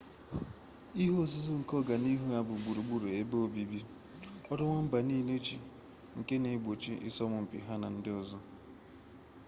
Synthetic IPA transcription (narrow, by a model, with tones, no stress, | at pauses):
i˦ɦo˦˨zu˦zʊ˦ŋ̩˨kɔ˦ɡa˨ni˦ɦu˦ja˦bʊ˨ɡ͡bu˨ɾu˨ɡ͡bu˦ɾu˨e˦be˦o˨bi˦bi˦ | ɔ˦ɾɔ˦ŋʷɔ˦m̩˦ba˨niː˦le˦t͡ʃi˨ | ŋ̩˨ke˦ne˨˦ɡ͡bo˨t͡ʃi˦ʔɪ̰˦sɔ˦mʊ˨m̩˨pḭ˨ɦa˦na˨n̩˦dɪ˦ɔ˨zɔ˦